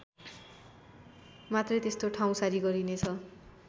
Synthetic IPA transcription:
mat̪rʌjt̪est̪oʈʰaw̃saɾiɡʌɾinet͡sʰʌ

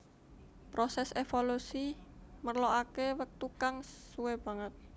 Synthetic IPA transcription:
pɾosɛsefolusimərloʔakewək̚t̪ukaŋsuweb̥a̤ŋət̪̚

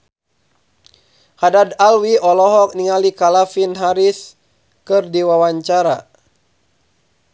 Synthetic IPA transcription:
hadadalwiʔɔlɔɦɔk̚niŋalikalafinɦaɾis | kɨrdiwawaɲt͡ʃaɾa

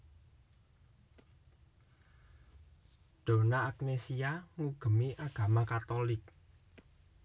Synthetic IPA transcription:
ɖ̪̥o̤naːk̚nesiaŋuɡ̥ə̤miʔaɡ̥a̤makat̪ɔlɪk̚

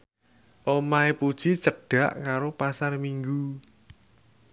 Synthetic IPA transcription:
ʔomaepud̥ʒ̥isəɖ̥a̤ʔkaɾopasarmiŋɡu

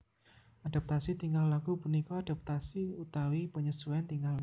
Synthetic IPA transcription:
ʔad̥ap̚t̪asit̪iŋallaɡ̥upunikɔad̥ap̚t̪asiut̪awipəɲəsuɛnt̪iŋɡal

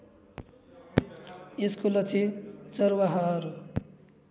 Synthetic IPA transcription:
eskolʌt͡sʰit͡sʌɾwʌɦʌːɾu

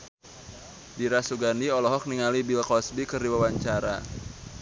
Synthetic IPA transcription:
diɾasuɡaniɔlɔɦɔk̚niŋalibilkɔsbikərdiwawaɲt͡ʃaɾa̰

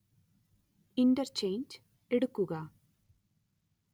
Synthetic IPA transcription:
indɐrt͡ɕejnd͡ʑ | eɽukːuɣɐ

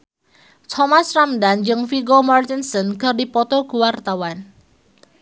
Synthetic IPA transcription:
t̪ʰɔmasramdand͡ʒɨŋfiɡɔmart̪insɔnkə̤rdipɔt̪ɔɡuwart̪awan

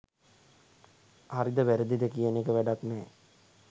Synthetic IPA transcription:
haɾid̪əʋæɾəd̪id̪əkijənekəʋæɖaknɛː

